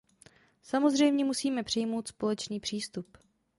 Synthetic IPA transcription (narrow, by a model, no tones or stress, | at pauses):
samo̞zr̝ɛjmɲɛmusiːmɛpr̝̥ɪjmo̞wt̪spo̞lɛt͡ʃniːpr̥iːst̪up